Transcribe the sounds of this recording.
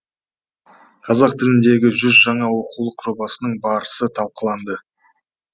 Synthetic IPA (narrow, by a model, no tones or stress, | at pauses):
qʰɑzɑq̚t̪ʰɪlɪnd̪e̞ɡʲɪʒʏzʒɑɴɑwo̞qulˠəqʒ̥o̞bɑsənəɴbɑɾəsət̪ʰɑlˠqəlˠɑnd̪ə